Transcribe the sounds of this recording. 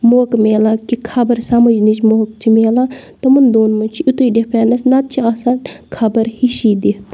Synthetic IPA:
moːkmeːlaːkikʰɐbɐɾsɐmɐd͡ʒnit͡ʃmoɦk̚t͡ʃʰimeːlat̪ɐmund̪oːnmut͡ʃʰiut̪uiɖepʰɾaːnɐsnɐt̪̚t͡ʃʰiaːsankʰɐbɐɾhiʃiːd̪et̪

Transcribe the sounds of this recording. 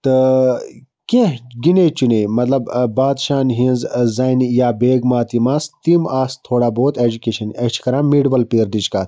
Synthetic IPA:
t̪ɨ | kẽɡineːt͡ʃinejmɐt̪lɐbbaːd̪ʃaːnɦĩnzzaːjnijaːbeːɡmaːt̪imaːst̪iːmaːst̪ʰoːɽaːboːt̪eːd͡ʑukeʃɐnet͡ʃʰkɐɾãːmmːiɖʋɐlpeːɾd̪it͡ʃkaːt̪

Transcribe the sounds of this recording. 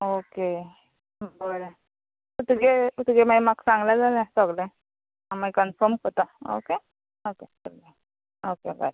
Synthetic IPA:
oke | bələ | ut̪ɡeut̪ɡemajmaksãŋɡlad͡zalast̪əɡlə | amajkənfəɾmkot̪ao̰ke | okeəɾɡe | okeba̰ɾ

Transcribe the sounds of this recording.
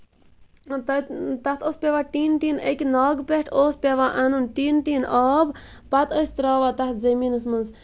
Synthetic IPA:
t̪ɐt̪ɐt̪ʰospʲeʋaːʈiːnʈiːnekʲinaːɡpeʈʰoːspeʋaːʔanunʈiːnʈiːnʔɔːb | pɐt̪əjst̪ɾaːʋaːt̪ɐt̪ʰzɐmiːnɨsmɨnz

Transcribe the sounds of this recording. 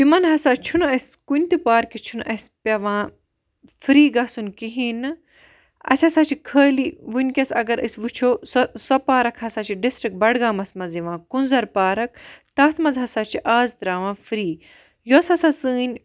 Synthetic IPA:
timɐnɦɐsat͡ʃʰunuɐsʲkunʲt̪ipaːɾkit͡ʃʰunʔɐspʲɐʋãː | fɾiːɡɐsunʲkiɦin | ɐ̰sʲɐsat͡ʃʰikʰəːliʋunʲkʲɐsɐ̰ɡɐɾɨsʋut͡ʃʰoːssɐpaːɾɐkʰhɐsaːt͡ʃʰiɖisʈɾik̚bɐɽɡaːmɐsmɐziʋãːkunzɐɾpaːɾɐk̚t̪aːt̪ʰmɐzɦɐsaːt͡ʃʰiʔaːzt̪ɾaːʋãːfɾiː | josɐsasɨːnʲ

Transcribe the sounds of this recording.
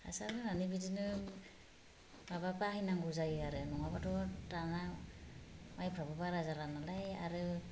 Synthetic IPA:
a̰salɯnanibidinɯ | mabapaɦinaŋɡuzajɯaɾɯnɔŋabatɔtana | majpʰabɔbaɾazalanalajaɾɯ

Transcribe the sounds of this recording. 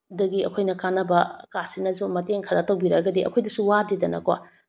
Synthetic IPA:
dɐɡiɐ̰kʰojnɐkanːɐbɐkasinɐzumɐteŋkʰɐɾɐtɐwbiɾɐɡɐdiʔɐ̰kʰojdɐsuwadidɐnɐ̰kwa̰

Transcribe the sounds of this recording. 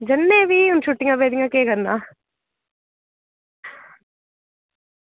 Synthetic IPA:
d͡ʒɐnːebʱiʊnʃuʈːɪŋɡabeːd̪ɪŋɡakeːkɐɾnaː

